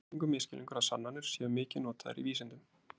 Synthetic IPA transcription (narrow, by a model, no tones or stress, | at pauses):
iŋkʏmɪːscɪlʔḭŋkʏɾaðsanːanʏɾ̥sjɛːɣʏmɪːcɪnɔːt̪aða̰ɾḭviːsɛnt̪ʏm